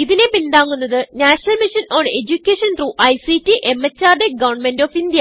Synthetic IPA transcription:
iðine̞pind̪aːŋːunːɐðɨnaːʂɐnɐlmiʂɐnoːnɖe̞d͡ʑukʲːeːʂɐnt̪ɾuʔɐjsitːiʔe̞mːɐt͡ɕːaːrɖeɡɐʋɐɳmendoːfind̪jɐ

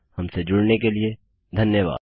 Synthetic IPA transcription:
hɐmsed͡ʒʊɽnekelie | d̪ʱɐnjəʋa̰ːd̪

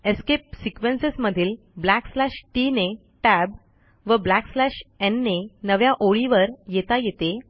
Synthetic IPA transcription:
eskep̚sikʋensesməd̪ʱiːl | blækslæʂʈine | ʈæb | ʋəblækslæɕenːenəʋjaʔoɭiʋəɾjet̪ajet̪e

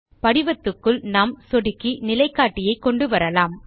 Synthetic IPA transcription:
pɐɽɪʋɐt̪ːɯkːɯɭnaːmsɔɽɪkːinɪlɐɪkːaːʈːɪjɐɪkːɔɳɖɯʋɐɾɐlaːm

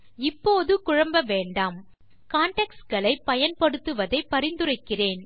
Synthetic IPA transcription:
ɪpːoːðɯkʊɻɐmbɐʋeːɳɖaːm | kaːɳʈɛkskɐɭɐɪpːɐjɐnpɐɽɯt̪ːɯʋɐðɐɪpːɐɾɪnd̪ɯrɐɪkːɪreːn

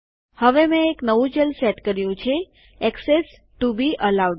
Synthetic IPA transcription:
həʋemɛ̃eknəʋũd͡ʒelseʈkəɾjũt͡ʃʰe | ɛkses | ʈubiʔəlaw

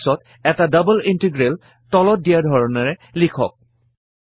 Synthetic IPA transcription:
sɔt | ɛtadabəlintiɡɹel | tɔlɔt̚dijaɹdʱɔɹɔnɛɹɛlikʰɔ̰k̚

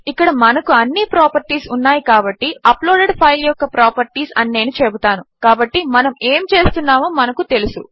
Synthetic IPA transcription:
ikːɐɽɐmɐnɐkuɐnːiːpɾaːpɐɾʈiːsunːaːjikaːbɐʈːiɐploːɖeɖpʰɐjljɔkːɐpɾaːpɐɾʈiːsɐ̰nːeːnit͡ʃebut̪aːnukaːbɐʈːimɐnɐmeːmt͡ʃe̞ːst̪unːaːmoːmɐnɐkut̪e̞lusu

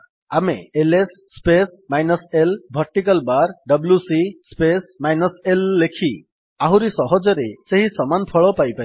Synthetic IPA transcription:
amḛelesːpesmajnɔselbʱɔɾʈːikɔlbaɾɖʌbljusispesmajnɔselːekʰi | aɦũɾisɔɦɔd͡ʒɔɾeseɦisɔmanpʰɔɭɔpajpa

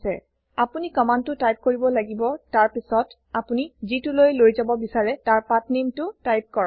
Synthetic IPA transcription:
sɛ̰ | apunikɔmantːʊtajp̚koɹibɔlaɡibɔtaɹpisɔt | apunizitulojlojzabɔbisaɹɛtaɹpatnimtʊtajp̚kɔɹ

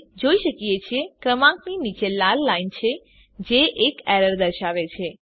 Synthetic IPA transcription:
d͡ʒoiʃəkjet͡ʃʰekɾəmãkninit͡ʃelalːaint͡ʃʰe | d͡ʒeʔekɛɾəɾd̪əɾʃaʋet͡ʃʰe

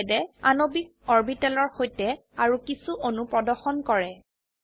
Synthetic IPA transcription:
dɛanobik̚ | ɔɹbitɛlɔɹxojtɛ | aɹukisuʔonupɹɔdɔɹxɔnkɔɹɛ

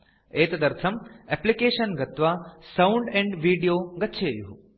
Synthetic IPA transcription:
eːt̪ɐd̪ɐɾt̪ʰɐmɛplikeːʃɐnɡɐt̪ʋasawɳɖẽɳɖʋiːɖijoːɡɐtːʃʰeːjuɦu

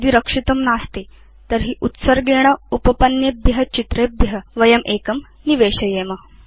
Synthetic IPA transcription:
d̪iːɾəkʂit̪ɐmnaːst̪e | t̪əɾɦiːʔut̪səɾɡeɽ̃ɐupəpɐnjebjɐɦɐt͡ɕit̪ɾebjɦəʋɐjɐmʔekɐm | niʋeɕɐjeːmɐ

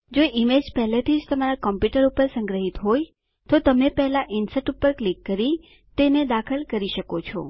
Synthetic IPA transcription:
d͡ʒoʔimed͡ʒpɛɦlet̪ʰid͡ʒt̪əmaɾakɔmpjuʈəɾupəɾsə̃ŋɡɾəɦit̪ɦoj | t̪ot̪əmepɛɦlaʔinsɛʈupːəɾklikːəɾi | t̪ened̪akʰəlkəɾiʃəkot͡ʃʰɔ̰

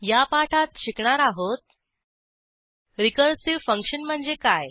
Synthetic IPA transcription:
japaʈʰat̪̚ɕikɳaɾaɦot̪̚ | ɾikəɾsiʋfəŋkɕənm̤əɳd͡zekaj

